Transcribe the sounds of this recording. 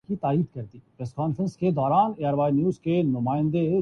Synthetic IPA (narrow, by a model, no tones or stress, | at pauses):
kit̪aːiːd̪kɐɾt̪ipɾeːskaːnfɾə̃nsked̪ɔːɾaːneːaːɾʋaːinjuːzkenʊmaːɪ̃nd̪e